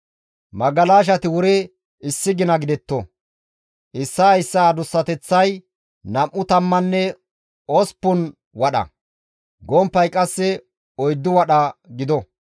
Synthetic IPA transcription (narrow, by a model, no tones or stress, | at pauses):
mɐɡɐlaːʃ̬ɐt̪ɪwʊɾɛ | ɪsːɪɡɪnɐɡɪd̪ɛt̪ːɔ | ʔɪsːɐjsːɐːd̪ʊsːɐt̪ɛt͡sːɐj | nɐmʔːʊt̪ɐmːɐnːɛ | ɔspːʊn | wɐɗɐ̰ | ɡɔmpːɐjkʼɐsːɛ | ɔjd̪ːɪwɐɗɐɡɪd̪ɔ